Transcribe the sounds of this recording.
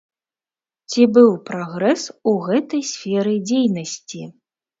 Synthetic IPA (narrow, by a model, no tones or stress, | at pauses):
t͡sʲibɨwpɾɔɣɾɛsuɣɛt̪ɐjsʲfʲɛɾɨd͡zʲejnɐsʲt͡sʲi